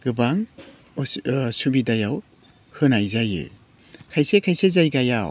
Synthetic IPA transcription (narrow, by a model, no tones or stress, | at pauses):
ɡ̥ɯbaŋ | subidajaw | hɯnajzajɯ̰ | kʰajsekʰajsezajɡajaw